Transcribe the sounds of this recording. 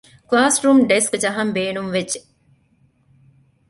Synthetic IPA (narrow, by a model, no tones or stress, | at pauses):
klaːsɾumɖeskd͡ʒɐɦɐmbeːnumʋed͡ʒːe